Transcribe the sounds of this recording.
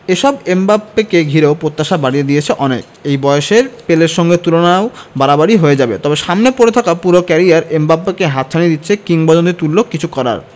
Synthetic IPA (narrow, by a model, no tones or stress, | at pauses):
eʃɔbembabːekeɡʱiɾeopɾot̪ːaʃabaɽied̪ijet͡ɕʰeʔɔnek | ejbɔjoʃeɾpeleɾʃɔŋɡet̪ulonaobaɾabaɽiɦoed͡ʑabet̪ɔbeʃamnepoɾet̪ʰakapuɾokɛɾiaɾembabːekeɦat̪t͡ɕʰanid̪it̪ːɕʰekiŋbɔd͡ʑont̪it̪ulːokːit͡ɕʰukɔɾa̰ɾ